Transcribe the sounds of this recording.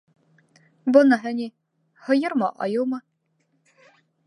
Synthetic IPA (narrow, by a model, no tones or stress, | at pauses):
bɤnɑɦɘ̆nʲi | hɤ̆jɤɾmɑʔɑ̰jɤmɤ